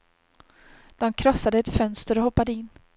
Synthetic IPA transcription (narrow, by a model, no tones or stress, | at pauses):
d̪̥ɔmkʰɾɔsːad̪əɛt̪fœnst̪əɾɔhɔpːad̪əɪnː